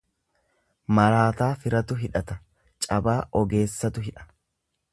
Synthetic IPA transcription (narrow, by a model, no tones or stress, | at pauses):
mɐɾaːt̪aːfɪɾɐt̪ʊɦɪᶑɐt̪ɐ | t͡ʃʼɐbaːʔɔɡe̞ːsːɐt̪ʊɦɪᶑɐ̥